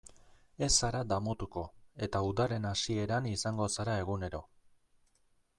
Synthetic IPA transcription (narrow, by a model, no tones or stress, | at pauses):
e̞saɾad̪amo̞t̪uko̞e̞t̪auðaɾe̞nasie̞ɾanisaŋɡo̞saɾae̞ɣune̞ɾo̞